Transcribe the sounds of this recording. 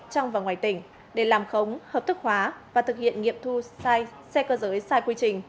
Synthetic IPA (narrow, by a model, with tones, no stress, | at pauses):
t͡ɕɔ˧wŋ͡mvaː˨˩ŋwaː˨˩jt̪ï˧˩ŋ̟ | ɗe˧˩laː˨˩mxə˨˦wŋ͡mhəː˨˩p̚t̪ɨ˦˥k̚hwaː˨˦vaː˨˩t̪ʰɨ˨˩k̚hḭ˧˨ənŋḭ˧˨əmt̪ʰu˧saː˧j | sɛ˧kəː˧zəː˨˦jsaː˧jkwi˧t͡ɕï˨˩ŋ̟